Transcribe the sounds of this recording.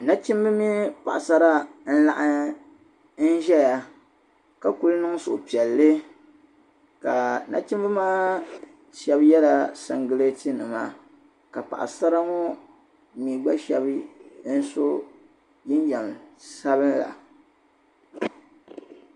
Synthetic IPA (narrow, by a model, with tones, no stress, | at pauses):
na˦t͡ʃi˦m˦bɨ˦mi˦pa̰˨ʔa˨sa˦ɾa˦n̩˦la˦ʔa˦ | n̩˦ʒɛ˦ja˨ | ka˨ku˦lnɨ˦ŋso˨ʔpi˨ɛ˨lːɨ˦ | ka˨na̰˦t͡ʃi˦mbɨ˦maː˦ | ʃɛ˦bjɛ˦la˦sa̰˨ŋɡɨ˨le˦tɨ˦nɨ˨ma̰˦ | ka˨pa̰˨ʔa̰˨sa˦ɾa˦ŋɔ˦ | mi˨ɡ͡ba˦ʃɛ˦bn̩˦so˦ | ji˦n˦d͡ʒɛ˨msa˦βɨ˦nla̰˨